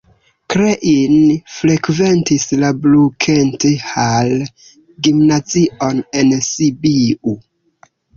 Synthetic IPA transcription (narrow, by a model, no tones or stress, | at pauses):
kɾeʔinfɾe̞kve̞ntislablukʰentehal | ɡimnaziʔone̞nsibiu